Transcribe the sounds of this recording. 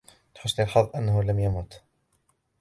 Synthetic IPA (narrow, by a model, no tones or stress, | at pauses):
t̪ħʊsːlɪlħɑðˤːʔanːahʊlamjamuːt̪